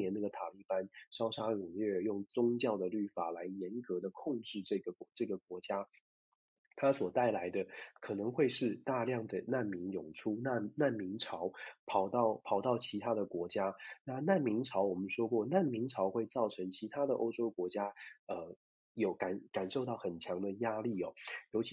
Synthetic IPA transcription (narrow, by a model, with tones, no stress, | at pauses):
ɛ˧˥n˥˩ɡə˩t̪ʰa˨˩li˥˩pa˥nʂɑ˥ʊʂa˥ɻʊ˨˩ŋlɥɛ˥˩jʊ˥˩ŋt͡sʊ˥ŋt͡ɕjɑ˥˩ʊd̪ə˩ly˥˩fa̰˨˩la˧˥ɪjɛ˧˥nkɤ˧˥d̪ə˧kʰʊ˥˧ŋʈ͡ʂɻ̩˥˧ʈ͡ʂɤ˥˩ɡə˩˧˦ʈ͡ʂɤ˥˩ɡə˩kwɔ˧˥t͡ɕja˥ | t̪ʰa˥swɔ˨˩t̪a˥˩ɪla˧˥ɪd̪ə˧kʰɤ˨˩nɤ˧˥ŋxwe˥˧ɪʂɻ̩˥˧t̪a˥˧ljɑ˥˩ŋd̪ə˩na˥˩nmi˧˥ŋjʊ˨˩ŋʈ͡ʂʰu˥na˥˩na˥˩nmi˧˥ŋʈ͡ʂʰɑ˧˥ʊpʰɑ˨˩ʊt̪ɑ˥˩ʊpʰɑ˨˩ʊt̪ɑ˥˩ʊt͡ɕʰi˧˥t̪ʰa˥d̪ə˨kwɔ˧˥t͡ɕja˥na˥˧na˥˩nmi˧˥ŋʈ͡ʂʰɑ˧˥ʊwɔ˨˩mə˦nʂwɔ˥kwɔ˥˩na˥˩nmi˧˥ŋʈ͡ʂʰɑ˧˥ʊxwe˥˧ɪt͡sɑ˥˩ʊʈ͡ʂʰɤ˧˥ŋt͡ɕʰi˧˥t̪ʰa˥d̪ə˨ʔo̰˥ʊʈ͡ʂo˥ʊkwɔ˧˥t͡ɕja˥ə˧ | jo˧˥ʊka˨˩nka˨˩nʂo˥˧ʊt̪ɑ˥˩ʊxə˨˩nt͡ɕʰjɑ˧˥ŋd̪ə˧ja˥li˥˩ɔ˨˩jo˧˥ʊt͡ɕʰi˧˥